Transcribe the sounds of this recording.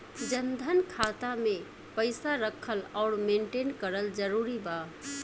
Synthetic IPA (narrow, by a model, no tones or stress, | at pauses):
d͡ʒənd̪ʱənkʰat̪ame | pəɪsaɾəkʰəlɔʊɾmeɳʈenkəɾəld͡ʒəɾuɾiba